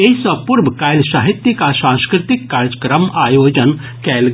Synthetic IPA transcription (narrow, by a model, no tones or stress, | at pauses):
esɐpʊɾbkaːɪlsaːɦɪt̪ːjikasãːskɾɪt̪ɪkːaɾd͡ʒəkɾəmaːjoːd͡ʒən | kɛːl